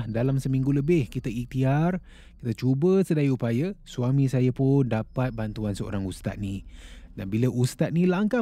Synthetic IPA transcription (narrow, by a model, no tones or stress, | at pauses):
dalamsəmĩŋɡuləbɪhkit̪əik̚t̪iar | ki̥t̪ət͡ʃubəsədaiupajəsuamĩsajəpʊndapat̪̚bant̪uansəo̰ɾaŋust̪a̰t̪̚nĩdanbiləʔust̪at̪̚nĩlaŋka